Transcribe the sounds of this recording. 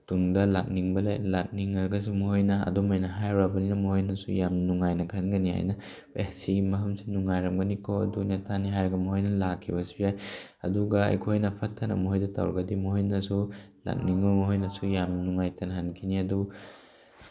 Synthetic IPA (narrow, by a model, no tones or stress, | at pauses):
tuŋdɐlak̚niŋbɐlḛjlak̚niŋaɡɐs̬umuhojnɐɐ̰dumajnɐɦajɾabɐninɐmɐhojnɐsṵjamnuŋajnɐkʰɐnɡɐniha̰jnɐ | ḛhsimɐɦɐmsi̥nuŋajɾɐmɡɐnikʰoɐ̰dunetʰaniɦajɾɐɡɐmɐɦojnɐlakʰːibɐsujaj | ɐ̰duɡɐɐ̰jkʰojnɐpʰɐtʰːɐnɐ̰mɐɦojdɐta̰wɾɐɡɐdimuhojnɐsula̰k̚niŋbɐmɐɦojnɐsujamnuŋajtɐnɦankʰiniɐdu